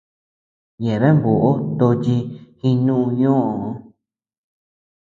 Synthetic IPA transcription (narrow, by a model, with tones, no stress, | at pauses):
ɲẽ˨βe˦mbo˨ʔo˦t̪o˧t͡ʃi˧hĩ˧nũ˦ũ˧ɲõ˦ʔõ˨˧˦